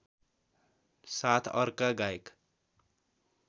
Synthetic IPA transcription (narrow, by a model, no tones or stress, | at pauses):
sat̪ʰʌɾkaɡajk